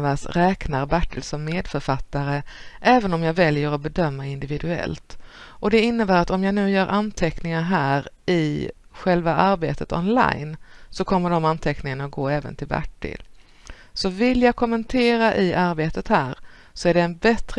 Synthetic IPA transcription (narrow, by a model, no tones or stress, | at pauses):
vasɾɛːknaɾbæʈːɪlsɔmːeːd̪fœɾfat̪ːaɾəʔɛːvənɔmjaːvɛljəɾɔbɛd̪œmːaɪnd̪ɪvɪd̪ɵɛ̰lt̪ | ʔɔd̪ɛɪnːəbæːɾat̪ɔmjaːnʉ̟ːjœːɾʔant̪ʰɛknɪŋaɾɦæːɾ | ɪ | ɧɛlvaʔaɾbḛːt̪ʰət̪ɔ̰nla̰jnsɔkʰɔmːəɖɔmant̪ʰɛknɪŋanat̪̚ɡoːɛːvə̰nt̪ʰɪlbæ̰ʈːɪ̰l | sɔvɪljaɡkʰɔmːənt̪ʰeːɾaʔɪʔaɾbeːt̪ət̪hæːɾ | sɔæɖɛːnbɛt̪ɾ